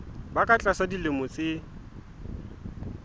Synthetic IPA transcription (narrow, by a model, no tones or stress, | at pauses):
bakʼat͡ɬʼasadilɪmʊt͡sʼɪ